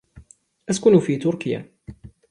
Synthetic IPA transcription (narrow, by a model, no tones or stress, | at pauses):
ʔaskʊnufiːt̪ʊɾkɪja̰